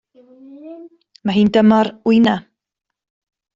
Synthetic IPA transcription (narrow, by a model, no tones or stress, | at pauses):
maɦiːndəmɔɾʊɨna